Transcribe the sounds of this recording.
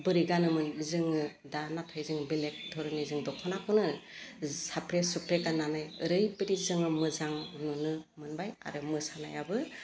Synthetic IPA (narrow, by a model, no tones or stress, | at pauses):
bɯɾiɡanɯmɯnzɯŋɯ | danatʰajzɯŋbelek̚dʱɔɾɯnizɯŋdɔkʰɔnakʰɯnɯ | sapɾesupɾekananajɯɾɯjpɯɾizɯŋɯmɯzaŋnɔnɯmɯnbaja̰ɾɯmɯsana̰jabɯ